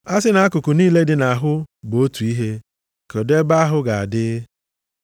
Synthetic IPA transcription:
a˦sɪ˦na˦a˦kʊ˨kʊ˨niː˦le˦dɪ˨na˨a˨ɦʊ˦bo˦tu˨i˦ɦe˦ | ko˨de˦ba˦a˦ɦʊ˦ɡa˨a˨dɪ˦

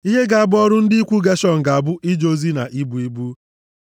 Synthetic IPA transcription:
i˦ɦe˦ɡa˨a˨bʊ˦ɔ˦ɾʊ˦n̩˦dɪ˦i˦kʷu˦ɡa˦ʃɔ˦ŋ̩˨ɡa˨a˨bʊ˦ʔi˦d͡ʒo˦zi˦na̰˨ʔi˦bu˨i˦bu˦

